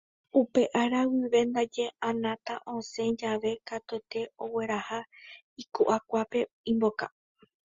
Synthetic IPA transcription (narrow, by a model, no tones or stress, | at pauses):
upe̞ʔaɾawiʋe̞nd̪ad͡ʒe̞ãnãt̪aʔõsẽ̞d͡ʒaʋe̞kat̪oet̪e̞o̞we̞ɾaha | ikuʔakʷape̞ | ĩmbo̞ka̰